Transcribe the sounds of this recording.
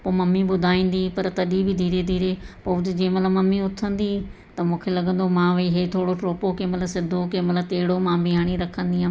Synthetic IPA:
poːmɐmːiːbʊd̪ʱaːĩːnd̪iːpəɾt̪əɗiːbʱid̪ʱiːɾeːd̪ʱiːɾeːpɐʊd͡ʒẽːmɐt̪ləbməmːiːʊt̪ʰːə̃nd̪iːt̪ɐmʊ̃ːkʰeːlɐɡə̃nd̪omãːʋiːɦeːt̪ʰoːɽoʈɾoːpoːkẽːmɐt̪ləsɪd̪ʱːoːkẽːmət̪ləbt̪eːɽoːmãːbɪɦaːɽ̃iːɾəkʰːə̃nd̪iːãː

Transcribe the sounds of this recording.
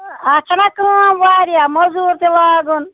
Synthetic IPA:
at͡ʃʰanakəmʋaːɾijamɔzuːɾt̪ilaːɡun

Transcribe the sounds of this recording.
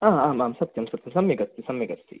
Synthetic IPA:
aːaːmamsɐt̪ːɐmsɐt̪ːɪnsɐmːiɡɐt̪ːisɐmːiɡɐt͡sːḭ

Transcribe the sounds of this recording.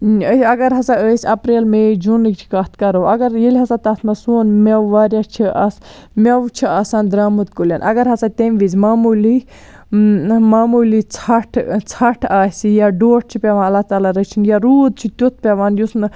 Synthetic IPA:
əsʲɐɡɐɾɦɐsaəːsʲɐpɾeːlmẽd͡ʒunɨkt͡ʃʰi̥kɐt̪ʰkɐɾowɐɡɐɾjelʲɦɐsat̪ɐt̪ʰnɐsuːnmɐwʋaːɾjat͡ʃʰiʔɐs | mʲɐʋt͡ʃʰiaːsaːnd̪ɾaːmɨt̪kulʲanʔɐ̰ɡɐɾɦɐsat̪ʲemʋizʲmaːmuli | maːmulit͡sʰɐʈʰt͡sʰɐʈʰaːsijaɖoːʈ̚t͡ʃʰipʲeʋãːnɐlːaht̪aːlaɾət͡ʃʰinjaɾuːd̪̚t͡ʃʰit̪ʲut̪̚ʰpʲeʋaːnjusn

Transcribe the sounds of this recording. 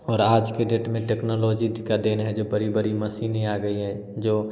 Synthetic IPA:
ɔːɾaːd͡ʒkeɖeːʈmẽʈeːknoloːd͡ʒidkːad̪eːnɦɛd͡ʒoːbəɾibəɾiməsiːniaːɡəiɦɛ | d͡ʒoː

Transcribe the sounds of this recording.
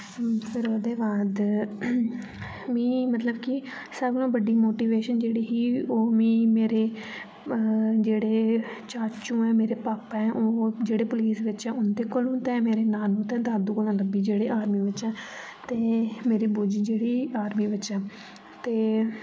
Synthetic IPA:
pʰɪɾoːd̪eːbaːd̪ | mĩːmət̪ləbkɪ | səblõːbəɖiːmoːʈiːʋeːʃənd͡ʒeːɽiːɦiːoːmĩːmeːɾeː | d͡ʒeːɽeː | t͡ʃaːt͡ʃũːɛːmeːɾeːpaːpɛɛʔoːd͡ʒeːɽeːpʊliːsʋɪt͡ʃɛ̃ːʊnd̪eːkolũːt̪ɛ̃ːmeːɾeːnaːnũːt̪ɛ̃ːd̪aːd̪uːkəlãləbiːd͡ʒeːɽeːʔaːɾmiːʋɪt͡ʃɛː | t̪eːmeːɾiːbud͡ʒiːd͡ʒeːɽiːaːɾmiːʋɪt͡ʃɛː | t̪eː

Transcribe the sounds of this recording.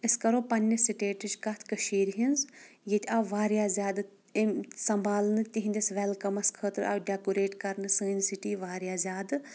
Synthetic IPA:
iskɐɾoːpɐnʲːɐsiʈeːʈit͡ʃkɐt̪ʰkɐʃiːɾɦinz | jet̪ʰʲɐʋaːɾjaːzʲaːd̪ɨ | msɐmbʱaːlnɨt̪ʲiɦĩnd̪ɐsʋɛlkɐmɐskʰəːt̪ɾɐ̰ʋɖʲakuɾeːʈkɐɾnɨsɨːnʲsiʈiːʋaːɾʲjaːzʲaːd̪ɨ

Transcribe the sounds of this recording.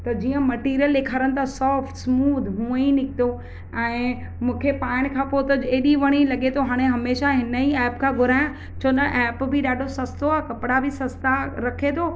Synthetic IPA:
t̪ɐd͡ʑiːə̃mɐʈiːɾijəleːkʰaːɾənɪt̪asɔːfʈsmuːd̪ʱɦũːĩnɪkʰt̪o | ɛ̃ː | mũːkʰepaːɪɽ̃kʰãːpot̪ɐd͡ʑeːɗiʋɐɽ̃ilɐɠet̪ʰoɦaːɽ̃eɦɐmeːʃaɦɪnəiɛːpkʰãːɡʱʊɾaːjã | t͡ɕʰoːnɐʔɛːpbʱɪɗaːɖʱosɐst̪oaːkɐpɪɽabʱɪsɐst̪aɾɐkʰet̪ʰoː

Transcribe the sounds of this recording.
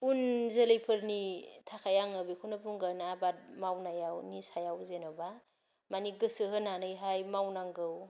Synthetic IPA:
unzelejpʰɯɾnitʰakʰajaŋɯbikʰunapuŋɡanabat̚mawnajawnisajawzenɔba | maniɡɯsɯɦɯnanɯjɦajmawnaŋɡɯw

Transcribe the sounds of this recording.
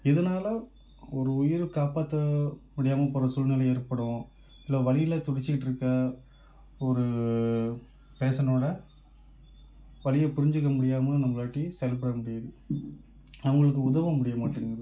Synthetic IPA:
ɪðɐnaːlɐ | ɔɾɯʊjɪɾɯkaːpaːt̪ːɐmʊɽɪjaːmɐpoːɾɐsʊlnɪlɐjɛɾɯpːɐɽʊ̃ | ɪlːaːʋɐlɪjɪlɐt̪ʊɽɪt͡ʃːɪɪʈːɯɾɯkːɐ | ɔɾɯ | peːsɐnoːɽɐ | ʋɐlɪjɐpʊɾɪɲd͡ʒɯkːɐmʊɽɪjaːmɐnɐmːɐɭaːʈːisɛjɐlp̬ɐɽɐmʊɽɪjɐðɯ | nɐʋɐŋɡɐɭɯkːɯʊðɐʋɐmʊɽɪjɐmaːʈːɯɾɯŋɡɐðɯ

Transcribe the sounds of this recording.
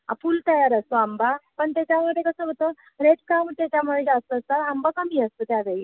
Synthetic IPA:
a̰fuːlt̪əjaɾəst̪oambapəɳt̪at͡ɕjaməɽekəsəʋət̪o | ɾeʈkaʋt̪jat͡ɕjaməɽed͡ʑast̪əəst̪at̪ambakəmiəst̪ot̪jaʋei

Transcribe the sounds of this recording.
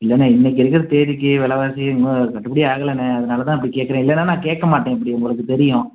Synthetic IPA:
ɪlːɛnːaːɪnːɛk̬ːɪɾɯkːɪɾɐt̪eːʋɪkːɯʋɛlɐʋaːsɪʊŋɡɯkɐʈːɯpɐɽɪiaːɣɐɭɐnːɐɐðɐnaːlɐt̪ãːɪp̬ːɐɽikeːʈkːɐɾẽːɪlːɛnːaːnãːkeːʈkɐmaːʈːẽːɪpːɐɽɪʊŋɡɐɭɯkːɯt̪ɛɾɪjʊ̃

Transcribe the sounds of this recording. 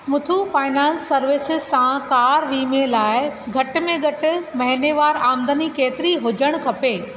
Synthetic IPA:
mʊt̪ʰufaːɪnãːnsːɐɾʋɪsɪzsãkaːɾʋiːmẽlaːɪɡʱɐʈʊ̆mẽɡɐʈɪ̆mɐɦɪneʋaːɾaːmd̪ənikeːt̪ɪɾiɦʊd͡ʑəɽ̃kʰɐpeː

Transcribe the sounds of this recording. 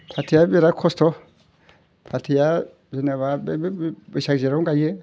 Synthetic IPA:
pʰatʰijabiɾakʰɔstɔ | pʰatʰija | d͡ʒinɛβabɛbbiʃad͡ʒɛɾuŋɡaje

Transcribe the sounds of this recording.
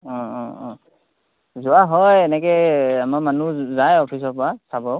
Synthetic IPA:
ɔ̃ɔ̃ɔ̃ | zʊwaɦɔjɛnɛkɛamamanuzajɔpʰis̬ɔpɔɹasabɔʊ

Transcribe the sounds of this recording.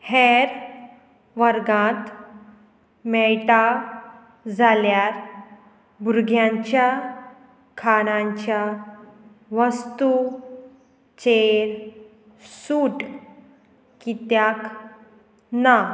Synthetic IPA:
hɛɾ | ʋəɾɡãt̪ | mɛʈa | d͡zaljaɾ | buɾɡʱjãɲt͡ɕja | kʰaɽ̃ãɲt͡ɕja | ʋəst̪u | t͡ɕeɾ | suːʈ | kit̪jak | na

